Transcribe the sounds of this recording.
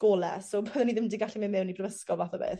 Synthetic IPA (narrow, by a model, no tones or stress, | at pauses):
ɡ̥oːlɛ̰soboðɛniðɪmdɪiɡaɬimɛmɛwnib̥rəvəskɔvaθɔbḛːð